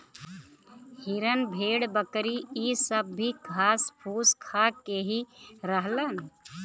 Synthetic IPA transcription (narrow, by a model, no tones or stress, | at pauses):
hiɾənbʱeːɽbəkɾiisəbːʱikʰaːspʰuːskʰakeɦiɾəɦlən